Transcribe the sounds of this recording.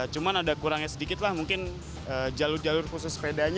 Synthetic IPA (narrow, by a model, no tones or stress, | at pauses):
t͡ʃumanadakuɾaŋjasədikɪt̪lahmuŋkɪn | əːd͡ʒalʊrd͡ʒalʊrkusʊspedaɲ